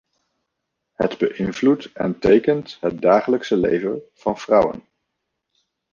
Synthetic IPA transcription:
hədbəʔɪnvlutɛ̰ntejkəntɦət̚daːχələksəlḛjvəv̥ɑnv̥rʌwə̰n

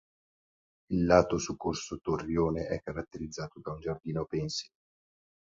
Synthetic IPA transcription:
ilːaːt̪osukːorsot̪orːjoːneʔɛkːaɾat̪ːeɾid̪zːaːt̪od̪aund͡ʒard̪iːnopɛnsi̥

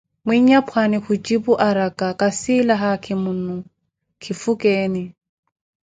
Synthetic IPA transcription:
mwiɲapʰwanɪxʊt͡ʃʼipʊʔaɾakʼakʼasilaɦakʰɪmun̩nu | kʰɪfukʼɛːnɪ

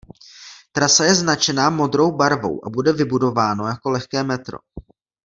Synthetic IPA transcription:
t̪ɾasajɛznat͡ʃɛnaːmo̞d̪ɾo̞wbaɾvo̞̰wʔa̰budɛvɪbudo̞vaːno̞jako̞lɛxkɛːmɛt̪ɾo̞̰

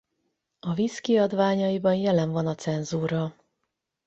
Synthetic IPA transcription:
ɒviskiɒd̪ʋaːɲɒjibɒnjɛlɛɱvɒnɒt̪sɛnzuːɾɒ

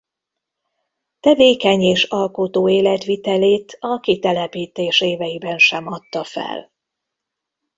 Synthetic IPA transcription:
t̪ɛveːkɛɲeːʃɒlko̞t̪oːeːlɛt̪ʋit̪ɛleːt̪ʰɒkit̪ɛlɛpiːt̪eːʃeːvɛjibɛnʃɛmɒt̪ːɒfɛ̰l

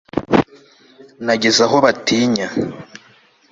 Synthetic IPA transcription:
naɟe̞zaɦo̞βatiːɲa

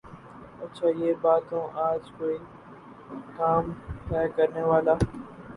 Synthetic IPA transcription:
ətːʃʰaːjeːbaːt̪õːʔaːd͡ʒkoːiː | kaːmt̪ɛːkəɾneːʋaːlaː

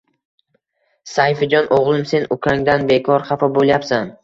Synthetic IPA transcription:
sajfɪd͡ʒɒnʔoʁlˠɪmse̞nʊkʰʲaŋd̪anbe̞kʰɒɾχɑfɒbolˠjapsan

